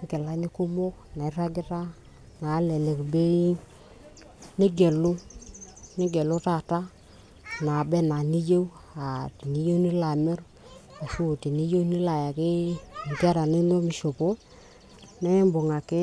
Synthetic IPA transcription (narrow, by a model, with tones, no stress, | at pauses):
ɡe˨la˨˦nɪ˦ku˦mo˦k̚na˨ɪ˦ɾa˦ɡɪ˦ta˦ | na˨˦le˨le˨kbe˦ | ni˦ɡe˨lu˦ | ni˦ɡe˨lu˦ta˦˨ta˦ | na˨be˦na˨ni˦je˦w | a˨tni˦je˦wni˦la˨mɛ˦ɾ | a˨su˦˨ti˨ni˦je˦wni˦la˨ja˨kɪ˦˨ŋ˨tɾa˨ni˦no˦mi˨ʃo˨po˦ | ne˦mbo˨ŋa˨ke˦